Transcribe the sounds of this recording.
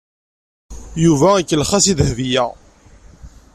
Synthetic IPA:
juvæikːəlχæsiðhðijæ

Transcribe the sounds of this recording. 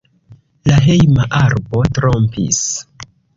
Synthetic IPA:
laɦe̞jmaʔaɾbo̞tɾo̞mpḭs

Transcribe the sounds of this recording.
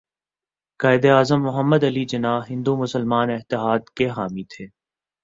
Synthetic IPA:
kaːɪd̪eaːzəmːʊɦəmːəd̪ɐlid͡ʒɐnaːɦɪ̃nd̪umʊsəlmaːnɪɦt̪ɪɦaːd̪keɦaːmit̪ʰeː

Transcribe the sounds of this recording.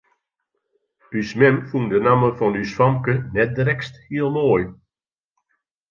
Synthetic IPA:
bysmɛnfundənaməfɔnysfɔmkənɛt̚drɛksthiəlˠmoːj

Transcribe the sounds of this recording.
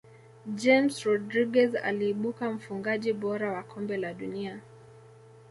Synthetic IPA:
d͡ʒɛmsɾɔdɾiɡɛza̰liːɓukam̩fuŋɡaʄiɓɔɾawakʰɔmbɛlaɗunia

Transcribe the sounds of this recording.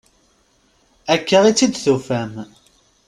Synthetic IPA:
ækːəʁit͡sːid̪θufæm

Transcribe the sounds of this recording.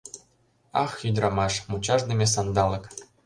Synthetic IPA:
ɑxjyd̪ʲrɑmɑʃmut͡ɕɑʒd̪ĕmʲes̬ɑnd̪ɑlɤ̆k

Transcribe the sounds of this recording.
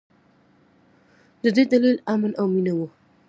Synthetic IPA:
d̪əd̪ejd̪alilamənʔawminawu

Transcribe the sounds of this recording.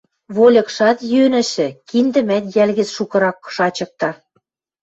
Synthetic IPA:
βolʲɤ̆kʃɑt̪jønɘ̆ʃɘ̆kind̪ɘ̆mæt̪jælɣɘ̆t͡sʃukɤ̆ɾɑkːʃɑt͡ɕɤ̆k̚t̪ɑ

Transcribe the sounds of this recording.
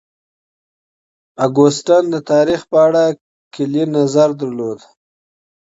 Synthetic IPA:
aɡosʈand̪ət̪ɑɾixpəaɽa | kɪlinazaɾd̪əɾlod̪

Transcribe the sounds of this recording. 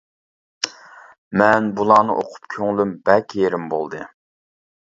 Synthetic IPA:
mɛnbulˠɑːnɨʔo̰qʰʊ̥pkʲʰøŋlymbɛkʲʰjeɾɪmbo̰lˠd̪ɨ

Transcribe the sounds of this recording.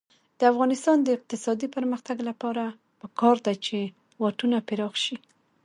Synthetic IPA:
d̪̥əafɣɑnɪst̪ɑnd̪əɪq̚t̪ɪsɑd̪ipəɾməxt̪aɡlapɑɾa | pəkɑɾd̪at͡ʃe | wɑʈunapɪɾɑxʃi

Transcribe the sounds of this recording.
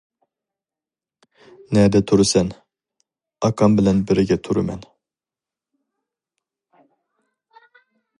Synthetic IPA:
nɛɾd̪ɛt̪ʰuɾusɛn | ɑkʰɑmbɪlɛnbɪɾɪɡʲɛt̪ʰuɾumɛn

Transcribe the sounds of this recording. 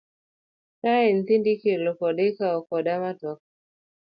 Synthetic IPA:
taɛn̩θindikilɔkɔɗɛkaɔkɔɗamatɔk

